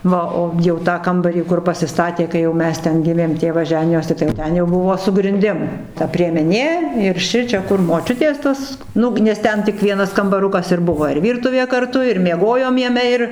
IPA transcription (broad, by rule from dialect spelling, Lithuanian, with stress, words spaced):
ˈʋɐ oː ˈjɛʊ tɑː ˈkɐmbɐrʲiː kʊr pɐsʲɪˈstɑːtʲeː kɐɪ jɛʊ ˈmʲɛs ˈtʲɛn ˈɡʲɪmʲeːm ˈtʲeːʋɐs ˈʒʲæːnʲɪjoːsʲɪ tɐɪ jɛʊ ˈtʲɛn jɛʊ ˈbʊʋoː sʊ ɡrʲɪnʲˈdʲɪm tɐ pʲrʲiɛmʲɛˈnʲeː ɪr ˈʃʲɪt͡ʃʲɛ kʊr moːˈt͡ʃʲʊtʲeːs ˈtɐs ˈnʊ nʲɛs ˈtʲɛn tʲɪk ˈʋʲiɛnɐs kɐmbɐˈrʊkɐs ɪr ˈbʊʋoː ɪr ˈʋʲiːrtʊʋʲeː kɐrˈtʊ ɪr mʲiɛˈɡoːjoːm jɛˈmʲɛ ɪr